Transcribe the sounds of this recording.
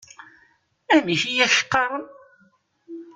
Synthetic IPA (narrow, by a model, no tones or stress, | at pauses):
æmiçijæʃə̥qːɑɾˤən